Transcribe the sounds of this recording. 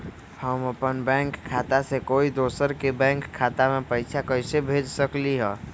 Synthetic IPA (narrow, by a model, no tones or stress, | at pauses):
həməpənbɛ̃ŋkʰːat̪asekoːid̪osəɾkebɛ̃ŋkʰːat̪amepəɪt͡ʃʰakəɪsebʱed͡ʒsəkliɦɛ̃